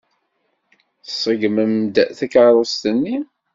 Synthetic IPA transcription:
θsˤːəɡməmd̪θækʕɾˤost̪ənːi

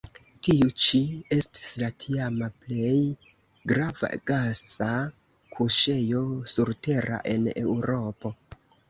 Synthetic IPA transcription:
tiut͡ʃie̞sti̥slatʰiamaple̞j | ɡɾava̰ɡ̥asa | kʰuʃe̞jo̞suɾte̞ɾa̰ʔe̞̰ne̞̰wɾo̞po̞

